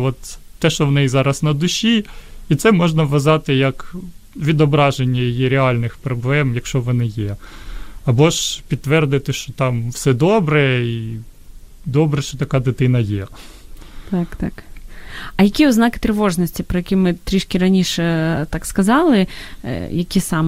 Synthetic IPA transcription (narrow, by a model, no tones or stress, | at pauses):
ʋɔt̪ːɛʃt͡ʃɔʋnɛjzɑɾɐsnɐd̪ʊʃʲiit̪sɛmɔʒnɐʋʋɐzɑt̪ɪjɐkʋʲid̪ɔbɾɑʒenʲːɐjijiɾʲeɑlʲnɪxpɾɔblˠɛmjɐkʃt͡ʃɔʋɔnɪjɛ | ɐbɔʃpʲid̪ːʋɛrd̪ɪt̪ɪʃt͡ʃɔt̪ɑmwsɛd̪ɔbɾɛi | d̪ɔbɾɛʃt͡ʃɔt̪ɐkɑd̪ɪt̪ɪn̪ɐjɛ | t̪ɑkt̪ɑk | ɐjɐkʲiʊznɑkɪ̥t̪ɾɪʋɔʐnɔsʲtʲipɾɔjɐkʲimɪt̪ɾʲiʃkʲɪɾɐnʲiʃɛt̪ɑkskɐzɑlˠɪ̰ | jɐkʲisɑm